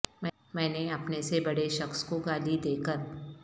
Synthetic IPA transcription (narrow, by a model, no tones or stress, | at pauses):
mɛ̃ | mɛ̃ːneɐpnesebɐɽeʃɐxskoɡaːlid̪eːkəɾ